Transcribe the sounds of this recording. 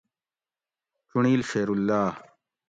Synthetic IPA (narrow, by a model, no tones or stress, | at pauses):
tuɳiːlfeːɾulːaː